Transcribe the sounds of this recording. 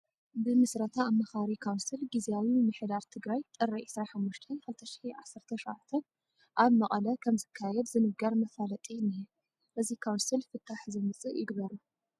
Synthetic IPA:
bɨmɨsɾɐt̪ʰaːmːɐxaɾikʰawnsilɡiziawimɨħd̪aɾt̪ʰɨɡɾajt̪ʼɨɾɐʕɪsɾaħamːuʃt̪ʰɐnkɨlt̪ʰɐʃi̥ħiʕasːɨɾt̪ʰɐʃʕat̪ʰɐn | ʔaβmɐχʼɐlɐkʰɐmzɨkʰːajɛd̪zɨnɨɡɐɾmɐfalɐt̪ʼinːijɛ | ʔɨzikʰawnsilfɨt̪ʰːaħzɨmɨt͡sʼɨʔjɪɡβɐɾu

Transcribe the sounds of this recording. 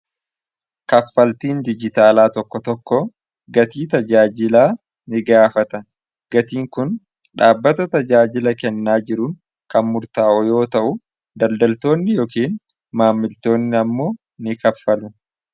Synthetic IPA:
kɐfːɐlt̪iːnd̪ɪd͡ʒɪt̪aːlaːt̪ɔkːɔt̪ɔkːɔ | ɡɐt̪iːt̪ɐd͡ʒaːd͡ʒɪlaː | nɪɡaːfɐt̪ɐ | ɡ̥ɐt̪iːŋkʊn | ᶑaːbːɐt̪ɐt̪ɐd͡ʒaːd͡ʒɪlɐkɛnːaːd͡ʒɪɾʊn | kɐnmʊɾt̪aːʔɔjo̞ːt̪ɐʔʊ | d̪ɐld̪ɐlt̪o̞ːnːɪjo̞ːkiːn | maːmːɪlt̪o̞ːnːɪɐmːo̞ː | nɪkɐfːɐlʊ

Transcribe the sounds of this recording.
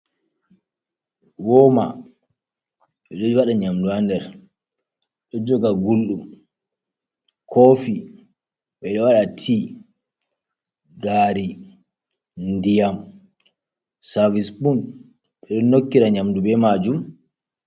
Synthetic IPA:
wɔma̰ | ɓɛɗɔd͡ʒwaɗaɲamduandɛɾ | ɗɔd͡ʒɔɡaɡulɗum | kʰofi | ɓɛɗɔwaɗatʰi | ɡaːɾi | ndijam | saɾvisbun | ɓɛɗɔnokːiɾaɲamdubɛmad͡ʒum

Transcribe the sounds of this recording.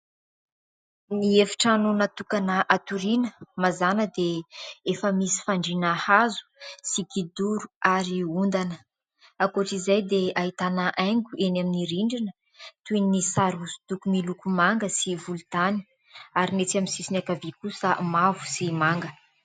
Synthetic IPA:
niefi̥ʈ͡ʂanonat̪ukanəʔat̪uɾinəmazanəd̪eefəmisi̥faɳɖ͡ʐinahazu̥siɡid̪uɾuaɾiund̪anə | akoʈ͡ʂizajd̪eaɦit̪anəʔajŋɡʲuenaminiɾiɳɖ͡ʐinə | t̪uinnisaɾusu̥t̪ukumilukumaŋɡəsivult̪ani̥ | aɾinet͡saminsisinakavikusəmavu̥simaŋɡə

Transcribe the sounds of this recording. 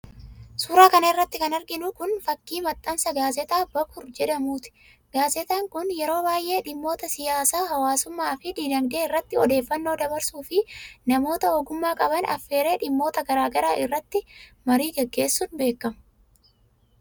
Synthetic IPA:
suːɾaːkɐnɐɪrːɐt̪ːɪkɐnɐɾɡɪnʊkʊnfɐkːiːmɐt̪ʼːɐnsɐɡaːzɛt̪aːbɐkʊɾd͡ʒɛᶑɐmuːt̪ɪ̥ | ɡ̥aːzɛt̪aːŋkʊnjɛɾo̞ːbaːjʔe̞ːᶑɪmːo̞ːt̪ɐsɪjaːsaːɦɐwaːsʊmːaːfɪd̪iːdɐŋɡeːɪrːɐt̪ːɪɔd̪e̞ːfːɐnːo̞ːd̪ɐbɐɾsuːfɪnɐmo̞ːt̪ɐoːɡʊmːaːkʼɐbɐnɐ̰fːe̞ːɾe̞ːᶑɪmːo̞ːt̪ɐɡɐɾaːɡɐɾaːʔɪrːɐt̪ːɪmɐɾiːɡɛɡːe̞ːsːʊnbe̞ːkːɐmʊ

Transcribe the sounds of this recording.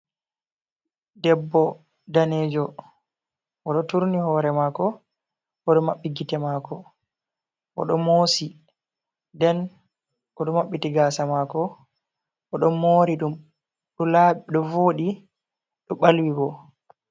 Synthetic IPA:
dɛbːɔ | daneːd͡ʒɔ | ʔɔɗɔtuɾnihɔːɾɛmakɔ | ʔɔɗɔmaɓːiɡitɛmaːkɔ | ʔɔ̰ɗɔmoːsi | dɛn | ʔɔɗɔmaɓːitiɡasamaːkɔ | ʔɔɗɔnmoːɾiɗum | ɗɔlaɓɗɔvoːɗi | ɗɔɓalwiɡɔ

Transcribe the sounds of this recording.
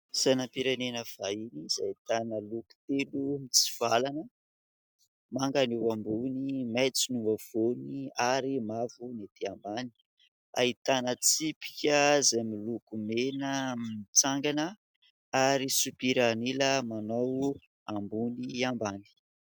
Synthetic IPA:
sanampiɾanenəv̥ainiz̥ait̪anəluku̥t̪elumit͡si̥v̥alanə | maŋɡanewambunimat͡sinumav̥oniaɾimavunet̪iambani̥ | a̰it̪anət͡sipi̥kʲəzajmilukumenəmit͡saŋɡanə | aɾisupiɾaniləmanow | ambuniambani̥

